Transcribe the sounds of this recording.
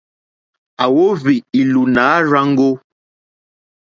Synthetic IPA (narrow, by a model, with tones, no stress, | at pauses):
a˨wo˦vi˨i˨lu˨naː˨˦ɾa˦ŋ̩˦ɡo˦